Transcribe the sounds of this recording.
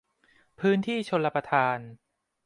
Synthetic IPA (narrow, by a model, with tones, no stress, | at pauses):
pʰɯː˦˥nt̪ʰiː˥˩t͡ɕʰo˧nla˧pɾa˧t̪ʰaː˧n